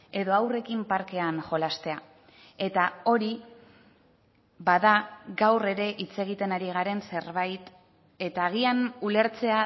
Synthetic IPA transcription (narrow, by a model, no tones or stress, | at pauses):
e̞ðo̞awre̞kimpaɾke̞anʝo̞last̪e̞a | e̞t̪ao̞ɾi | βaðaɣawre̞ɾe̞ʔit͡se̞ɣit̪e̞naɾiɣ̞aɾe̞nse̞ɾβajt̪ | e̞t̪aːɣ̞ianule̞ɾt͡se̞a